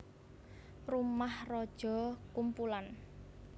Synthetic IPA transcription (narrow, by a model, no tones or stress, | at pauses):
rumahrɔd̥ʒ̥ɔ̤kumpulan